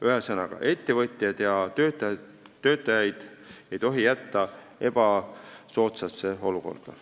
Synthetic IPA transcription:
yɦesɤnɑɡ̥ɑ̰ʔe̞t̪ːe̞vɤt̪ʲˑjɑd̪̥jɑøt̪ː | ø̞ːt̪ːˑɑjɑjd̪̥ | e̞jt̪o̞ɦijæt̪ːɑ | e̞b̥ɑso̞ːt̪seseo̞luko̞̰rd̪̥ɑ̰

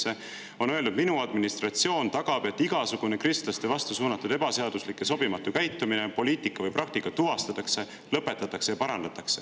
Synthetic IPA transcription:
e̞ | o̞nø̞e̞ld̪ud̪̚minuɑd̪minist̪rɑt̪sio̞ːnt̪ɑɡ̥ɑb̥e̞t̪ːˑiɡ̥ɑsuɡ̥unekrist̪lɑst̪e̞vɑst̪usuːnɑt̪ːˑud̪e̞b̥ɑse̞ɑd̪̥uslikːˑe̞so̞bimɑt̪ːˑukæjt̪ːˑuminepo̞liːt̪ˑikːˑɑvɤjprɑk̚t̪ikːˑɑt̪uɦɑst̪ɑt̪ːˑɑkse̞ | lɤpːˑet̪ːˑɑt̪ːˑɑkse̞jɑpɑɾɑnd̪̥ɑt̪ːˑɑkse̥

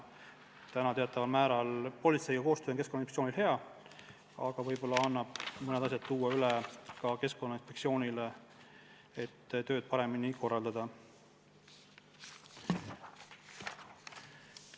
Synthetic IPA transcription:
t̪ænɑt̪e̞ɑt̪ːˑɑvɑlmæːɾɑlpo̞lʲit̪se̞jɡɑko̞ːst̪øːonke̞skonːɑinek̪tsoːnʲilheɑ | ɑɡ̥ɑvɤjbo̞lːɑɑnːɑb̥mɤned̪̥ɑs̬ʲjɑt̪̚t̪uːɑylekɑke̞sko̞nːɑinsfpek̚sio̞ːnʲile | et̪ːt̪ø̞ːd̪̥̚pɑɾe̞miniko̞rːɑld̪ɑd̪̥ɑ

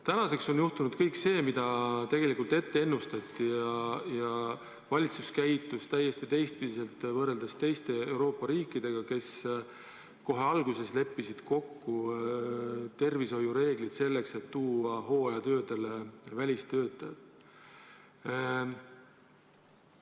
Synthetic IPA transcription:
t̪ænɑse̞kso̞njuht̪unud̪̥kɤjkse̞ːmid̪ɑt̪e̞ɡ̥e̞likult̪e̞t̪ːe̞e̞nːust̪ɑt̪ːijɑjɑ | vɑlʲit̪suskæjt̪ːˑust̪æjːe̞st̪it̪e̞jst̪̚pid̪ise̞lt̪vɤrːe̞ld̪ɑst̪e̞jst̪e̞ewɾo̞ːpːˑɑɾiːkːˑid̪̥e̞ɡ̥ɑke̞s | ko̞ɦe̞ɑlɡuse̞sle̞pːisid̪̥ko̞kːu | t̪e̞rviso̞juɾe̞ːɡlid̪̥se̞lːe̞kse̞t̪ːuːɑɦo̞ːjɑt̪ø̞ːd̪e̞levælʲist̪ø̞ːt̪ːˑɑjɑd̪

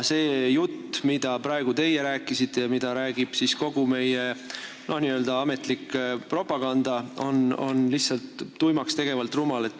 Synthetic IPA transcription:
se̞ːjut̪ːmid̪̥ɑpɾɑeɡ̥ut̪e̞jeɾæːkːˑisit̪ːe̞jɑmid̪̥ɑɾæːɡib̥sisko̞ɡ̥ume̞je | no̞hniːøld̪ɑɑme̞t̪ˑlikːpro̞pːˑɑɡ̥ɑnd̪̥ɑono̞̰nlihtsɑlt̪ːujmɑkst̪e̞ɡe̞vɑlt̪ˑrumɑle̞t̪ːˑ

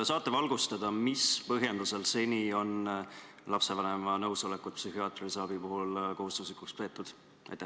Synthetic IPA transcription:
sɑːt̪ːˑevɑlɡ̥ust̪ɑd̪̥ɑmispɤɦje̞nd̪̥use̞lse̞nʲio̞n | lɑpse̞vɑne̞mɑnɤwso̞le̞kːut̪̚psyɦiɑt̪ˑrisɑb̥ipuɦulko̞ɦust̪uslikukspe̞ːt̪ːˑud̪̥ | ʔɑ̰jt̪ːæ

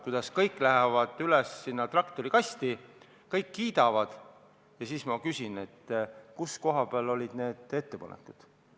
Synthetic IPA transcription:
kujd̪̥ɑskɤjkːˑlæɦevɑd̪̥ylɛsːinːɑt̪rɑkt̪o̞ɾikɑst̪i | kɤjkːiːd̪̥ɑvɑd̪̥ | jɑsiːsmɑkysʲine̞t̪ːkusko̞ɦɑb̥eɑlo̞lʲid̪̥ne̞ːd̪̥e̞t̪ːe̞pɑ̰nḛkːˑud̪̥

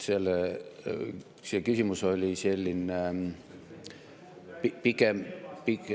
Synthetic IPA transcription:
sel | sekysimusolʲiselʲːin | pipikempik

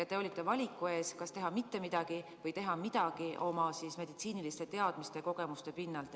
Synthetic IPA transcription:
et̪ːeo̞lʲit̪ːˑe̞vɑlʲikːˑue̞ːskɑst̪e̞ɦɑmit̪ːe̞mid̪̥ɑɡ̥ivɤjt̪e̞ɦɑmid̪̥ɑɡ̥iʔo̞mɑsisme̞d̪̥it̪siːnilist̪e̞t̪e̞ɑd̪̥mist̪e̞ko̞ɡ̥e̞must̪e̞pinːɑlt̪

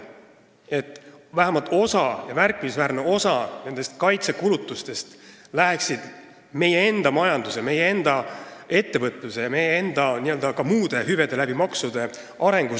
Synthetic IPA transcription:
e̞t̪ːˑvæɦæmɑlt̪ˑo̞sɑjɑmærkːˑimisvæːrne̞o̞sɑne̞nd̪e̞st̪̚kɑjt̪se̞kulut̪ːˑust̪e̞st̪læɦeksid̪̥ | me̞jee̞nd̪̥ɑmɑjɑnd̪useɑme̞jee̞nd̪̥ɑe̞t̪ːe̞vɤt̪ːˑluse̞jɑme̞jee̞nd̪̥ɑniø̞ld̪̥ɑkɑmuːd̪̥e̞ɦyve̞d̪̥e̞læb̥imɑksud̪̥e̞ | ɑɾe̞ŋɡu

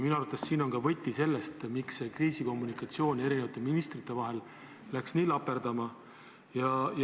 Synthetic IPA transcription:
minuɑɾut̪ːˑessiːno̞nkɑvɤt̪ʲːˑise̞lːest̪miksekriːsiko̞mːunikˑɑt̪sio̞ːnʲe̞ɾinevɑt̪ːˑeminist̪rit̪ːˑe̞vɑɦe̞lː | æksniːlɑpːˑe̞ɾd̪̥ɑmɑ | jɑj

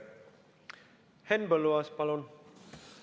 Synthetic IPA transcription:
hɛnbəluaspalɔn

